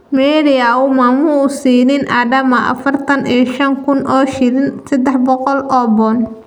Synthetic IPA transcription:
mɛːɾɪaʊmaːmuʊsiːnɪnʔaːdɐmɐʔɐ̰fɐrt̪ʰɐnʔijʃɐŋkʰʊnʔɔːʃɪɾɪnsɐd̪ɛħbɔqɔlʔɔːbɔn

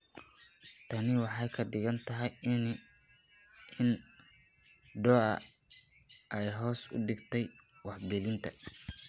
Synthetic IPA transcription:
t̪ʰɐnɪwɑħɑjkʰɐɖɪɣɐnt̪ʰɐɦɛj | ɪn | ɖɔːʔɐ̰ | ʔɛjɦɔːsʊ̰ɖɪɡt̪ʰɛj | wɑħɡɛlɪnt̪ʰɐ

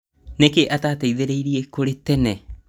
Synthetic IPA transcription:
nekeʔataːtejðeɾejɾiekoɾetene

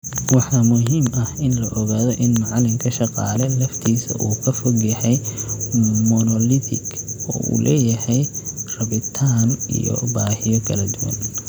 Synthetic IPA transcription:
wɑħɑːmʊɦiːmʔɐhɪnlɐʔɔɣaːðɔʔɪnmɑʕɑlɪmkʰɐʃɑqɑːlɛlɐft̪ʰiːsɐ̰ʔuːkʰɐfɔɣjɐhɛj | mɔnɔlɪt̪ʰɪɡɔ̰ːʔṵːlʔɛːjɐhɛjrɐβɪt̪ʰaːnḭjɔ̰baːhɪjɔkʰɐlɐd̪ʊwɐ̰n

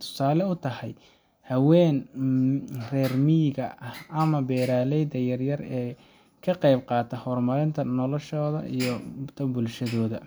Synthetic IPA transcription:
t̪ʰʊ̥saːlɛʊt̪ʰɐhɛj | hɐwɛːn | rɛːrmiːɣɐɐhɐmɐbɛːɾaːlɛjd̪ɐjɐrjɐrɛː | kʰɐqɑjb̚qɑːt̪ʰɐhɔrmɐɾɪnt̪ʰɐnɔlɔʃɔːðɐ̰ijɔt̪ʰɐbʊlʃɐðɔːðɐ

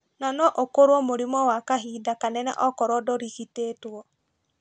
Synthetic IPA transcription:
nanɔʔokoɾwɔmoɾimɔwakaɦiːdakanɛnɛ̰ʔɔkɔɾɔdɔɾiɣiteːtwɔ

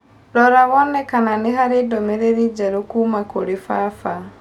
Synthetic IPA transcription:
ɾɔɾaβɔnɛkananiɦaɾidomeɾeɾid͡ʒaɾokumakoɾifafa

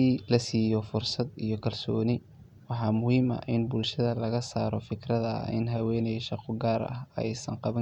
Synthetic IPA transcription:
iːlɐsiːjɔfʊrsɐd̪ijɞkʰɐlsɔːnɪ | wɑħɑːmʊhiːmɐ̰ɪnbʊlʃɐðɐlɐɣɐsaːɾɔfɪkʰrɐðɐ̰ɪ̰nɦɐwɛːnɛjʃɑqʰɔɡaːɾɐ̰ɦɛ̰jsɐŋqɑβɐ

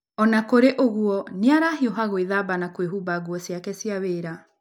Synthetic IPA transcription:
ɔnakoɾeʔoɣuɔneaɾaɦioɦaɣoiðabanakweɦubaɡuɔsiakɛsiaweːɾa

